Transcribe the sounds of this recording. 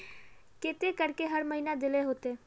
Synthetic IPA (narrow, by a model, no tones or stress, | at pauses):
kɪt̪ekəɾkeɦəɾməɦiːnad̪ɪleɦoːt̪eː